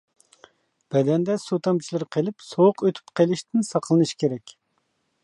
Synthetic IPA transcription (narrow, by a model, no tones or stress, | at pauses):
b̥ɛd̪ɛnd̪ɛsot̪ɑmt͡ʃʰilˠɨɾqʰelˠɪpsowʊqøt̪ʰy̥pqʰelˠɪʃt̪ʰɪnsɑqʰlˠɨnɨʃkʲeɾɛkʲ